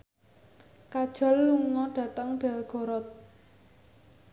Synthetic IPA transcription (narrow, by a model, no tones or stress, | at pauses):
kad̥ʒ̥ɔ̤lːuŋɔɖ̥ä̤t̪əŋb̥ɛlɡ̥ɔ̤ɾɔt̪̚